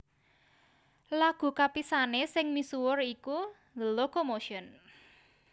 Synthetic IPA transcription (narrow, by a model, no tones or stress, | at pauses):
laɡ̥ṳkapisanesɪŋmisuwʊriku | ləlokomoʃɔn